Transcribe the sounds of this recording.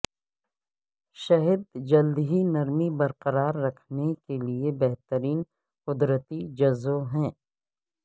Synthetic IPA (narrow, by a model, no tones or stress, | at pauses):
ʃɐɦid̪d͡ʒɐld̪ɦinɐɾmibɐɾqɐɾaːɾːɐkʰnekeliebɛɦt̪əɾiːn | qʊd̪ɾət̪id͡ʒɐzoɦɛ̃ː